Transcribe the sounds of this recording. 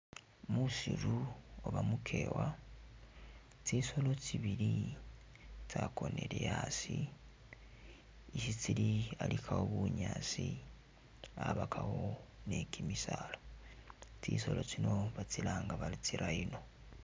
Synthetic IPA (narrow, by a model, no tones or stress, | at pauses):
musiɾuoβamukʰe̞ːwa | t͡siso̞lo̞t͡siβiɾi | tako̞ne̞ɾejasi | sit͡silialikʰaoβuɲaːt͡si | aβakʰahone̞kʰimisalo | t͡siːso̞lo̞t͡ʃino̞βat͡silaːŋɡaβalit͡siɾʔaino̞